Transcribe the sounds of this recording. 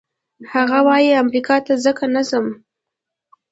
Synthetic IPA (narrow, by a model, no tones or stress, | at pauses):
haɣawɑjiamɾikɑt̪azəkanazəm